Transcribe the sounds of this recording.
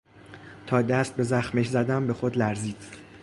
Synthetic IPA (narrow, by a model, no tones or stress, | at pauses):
t̪ʰɒːd̪æst̪̚be̞zæxmeʃzæd̪æmbe̞xod̪læɾziːd̪̥